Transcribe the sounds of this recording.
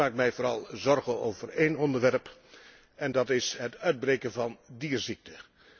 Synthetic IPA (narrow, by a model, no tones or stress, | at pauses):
aːk̚mɛjvoːɾɑlˠzɔɹɣənowvərejnɔndəɹʋɛɹp | ɛndɑtɪsɦətœɥd̚brejkənvɑndiːrzik̚tə